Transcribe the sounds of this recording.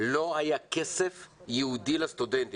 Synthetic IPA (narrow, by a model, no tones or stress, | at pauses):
lo̞ajakesefjeud̪ilast̪ud̪ent̪i